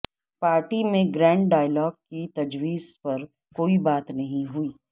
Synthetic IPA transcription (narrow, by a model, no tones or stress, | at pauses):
paːɾʈimẽɡɾɛ̃ːɳɖɖaːɪlɔːɡ̚kit̪ɐd͡ʒwiːzpɐɾ | koːibaːt̪nɐɦĩɦuiː